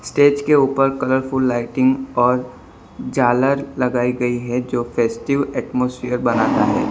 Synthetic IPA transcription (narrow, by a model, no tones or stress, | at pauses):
sʈeːd͡ʒkeuːpəɾkɐləɾfʊlːaːɪʈɪ̃ŋɡɔːɾ | d͡ʒaːləɾlɐɡaːiɡɐiɦɛd͡ʒoːfʰɛːsʈɪʋɛːʈmoːsfɪjəɾbɐnaːt̪aɦɛ̰ː